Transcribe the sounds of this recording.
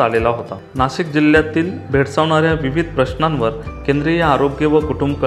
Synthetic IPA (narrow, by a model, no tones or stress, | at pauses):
alelaɦot̪a | naɕikd͡ʑiljat̪iːlbʱeʈsaʋɳ̃aɾjaʋiʋid̪ʱpɾəɕnanʋəɾkend̪ɾijaaɾoɡjəʋəkuʈumbkə